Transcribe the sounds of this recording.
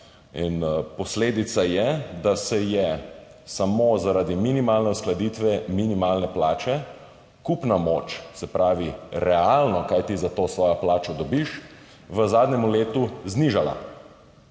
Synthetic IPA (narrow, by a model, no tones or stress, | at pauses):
inpɔsleːd̪it̪sajɛd̪asɛjɛsamoːzaɾad̪iminimaːlnɛusklad̪it̪ʋɛminimaːlnɛplaːt͡ʃɛ | kupnamoːt͡ʃsɛpɾaːʋiɾɛalnɔkajt̪izat̪oːsʋɔːjaplaːt͡ʃɔd̪ɔbiʃ | ʋəzaːd̪nʲɛmuleːt̪uzniʒala̰